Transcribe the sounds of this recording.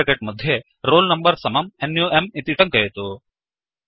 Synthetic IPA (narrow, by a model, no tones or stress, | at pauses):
keʈ̚mɐd̪ʱje | ɾoːlnɐmbɐɾsɐmɐmenjuːʔemit̪iʈɐŋkɐjet̪u